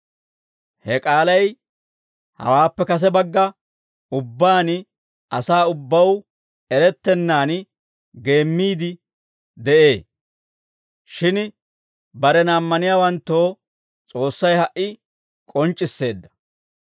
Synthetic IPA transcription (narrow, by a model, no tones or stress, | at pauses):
hɛkʼaːlɐj | hɐ̰waːpːɛkɐs̬ɛbɐɡːɐ | ʊbːaːn | ɐsaːʊbːɐw | ɛɾɛt̪ːɛnːaːn | ɡe̞ːmːiːd̪ɪ | d̪ɛʔe̞ː | ʃɪn | bɐɾɛnaːmːɐnɪjaːwɐnt̪ːo̞ː | t͡sʼo̞ːsːɐjhɐʔːɪ | kʼɔnt͡ʃʼːɪsːe̞ːd̪ːɐ̥